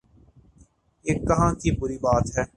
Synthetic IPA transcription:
eːkːɐɦãːkibʊɾiːbaːt̪ɦɛː

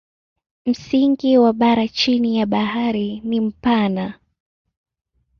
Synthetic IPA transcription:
m̩siŋɡiwaɓaɾat͡ʃinijaɓaɦaɾinim̩pana

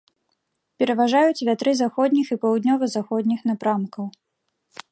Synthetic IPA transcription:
pʲɛɾɐvaʐajut͡sʲvʲat̪ɾɨzaxɔd̪ʲnʲixipɐwd̪ʲnʲɔvɐzaxɔd̪ʲnʲixnapɾamkɐw

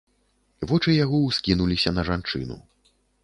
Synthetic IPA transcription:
vɔt͡ʂɨjaɣɔwskʲinulʲisʲɐnɐʐant͡ʂɨ̰nṵ

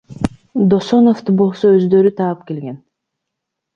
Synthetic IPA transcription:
d̪o̞sonoft̪ɯbo̞lˠsoøzd̪ø̞ɾyt̪ʰɑːɯpke̞lɡe̞n

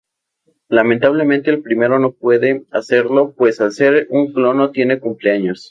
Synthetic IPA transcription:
lamẽnt̪aβle̞ment̪e̞ːlpɾime̞ɾo̞no̞p̚we̞ðe̞ase̞ɾlo̞pwe̞salseɾuŋklo̞not̪je̞ne̞kumpleaɲo̞s

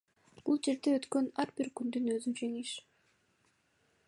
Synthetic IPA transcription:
b̥ulˠd͡ʒe̞ɾd̪eøt̪kø̞nɑɾbiɾkynd̪ynøzynt͡ʃeŋiʃ

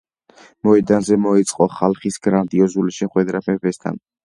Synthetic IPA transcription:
mɔɛd̪anzɛmɔit̪sʼqʼɔχalˠχisɡɾand̪iɔzuliʃɛχwɛd̪ɾapʰɛpɛst̪ʰa̰n

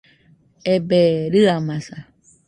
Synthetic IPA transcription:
ebeɾɨamãsa

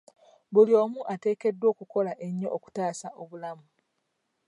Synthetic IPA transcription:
βulio̞ːmuʔate̞ːke̞dːwo̞ːkuko̞laʔe̞ɲːoʔoku̥taːsaʔo̞βulamu

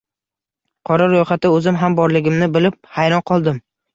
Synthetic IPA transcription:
qʰɒɾaɾojχat̪ɪɵzɪmɦambɒɾlɪɡʲɪmnɪbɪlɪp̚hajɾɒnqʰɒlˠd̪ɪm

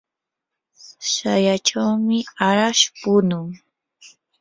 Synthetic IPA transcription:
sajaʈ͡ʂawmɪaɾaʃpʊnʊŋ

